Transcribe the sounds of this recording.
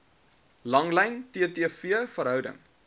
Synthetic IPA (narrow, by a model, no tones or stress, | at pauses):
lɐŋlɛjntiətiəfiəfəɾɦœwdə̰ŋ